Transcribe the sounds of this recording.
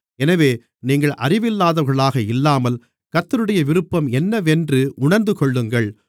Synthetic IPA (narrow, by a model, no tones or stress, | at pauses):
ɛnɐʋeː | niːŋɡɐɭʔɐrɪʋɪlːaːðɐɣɐɭaːɣɐɪlːaːmɐl | kɐt̪ːɪɾɯɽɐjɐʋɪɾɯpːɐmɛnːɐʋɛndrɯʔʊɳɐɾnd̪ɯkɔɭːɯŋɡɐɭ